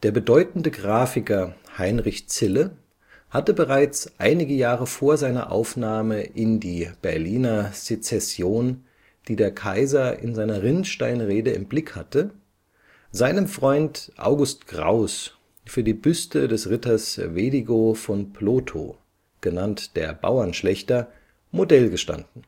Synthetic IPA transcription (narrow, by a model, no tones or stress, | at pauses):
d̥eːɐbədɔʏtn̩dəɡʁaːfɪkɐhaɪnʁɪçt͡sɪlə | hatəbəʁaɪt͡sʔa̰ɪnɪɡəjaːʁəfoːɐzaɪnɐ̰ʔa̰ʊfnaːməʔɪndiːb̥ɛɐliːnɐz̥et͡sɛsjoːn | d̥iːdeːɐkʰaɪzɐɪ̰nzaɪnɐʁɪnʃtaɪnʁeːdəɪ̰mblɪkhatə | zaɪnəmfʁ̥ɔʏntʔa̰ʊɡʊstɡ̥ʁa̰ʊs | fyːɐdiːbʏstədɛsʁɪtɐsveːdiɡofɔnpʰloːtʰo̰ | ɡ̥ənantd̥eːɐba̰ʊɐnʃlɛçtɐ | modɛlɡəʃta̰ndn̩